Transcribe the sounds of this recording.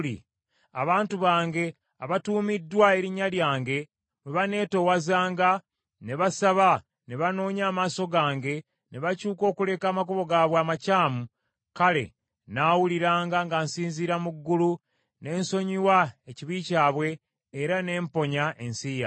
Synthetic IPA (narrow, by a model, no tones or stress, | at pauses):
i | a̰βaːntuβaːŋɡe̞ | aβatuːmidːwae̞ɾiɲaljaːŋɡe̞ | weβane̞ːto̞wazaːŋɡa | ne̞βasaβa | ne̞βano̞ːɲaːmaːso̞ɡaːŋɡe̞ | ne̞βacuːko̞ːkule̞ːkaːmakoβo̞ɡaːβwaːmacaːmu | kale̞̰ | naːwuliɾaːŋɡaŋɡansiːnziːɾamuɡːulu | ne̞ːnso̞ɲiwaeciβiːcaːβwe̞ː | ɾane̞ːmpo̞ɲaʔe̞nsija̰